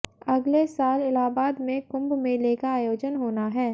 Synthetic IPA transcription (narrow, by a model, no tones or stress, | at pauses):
ɐɡlesaːlɪlaːbaːd̪mẽkʊ̃mbmẽleːkaaːjoːd͡ʒənɦoːnaɦɛː